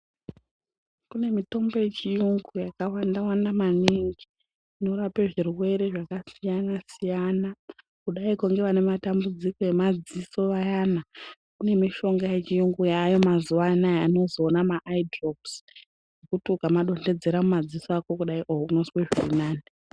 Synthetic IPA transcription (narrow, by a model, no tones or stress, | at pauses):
kune̞mito̞mbo̞je̞t͡ʃijuŋɡujakawandawandamaniŋɡi | ino̞ɾape̞ʐirwe̞ɾe̞ʐakasijanasijana | kuɗaikuŋɡe̞ʋane̞matambud͡ziko̞je̞mad͡ziso̞ʋajana | kune̞miʃo̞ŋɡaje̞t͡ʃijuŋɡujajo̞mazuʋanajano̞zo̞ːnamaʔaidropsjjekutukamaɗo̞nde̞d͡ze̞ɾamumad͡zisoako̞kuɗaiʔoouno̞sweʐiinaːne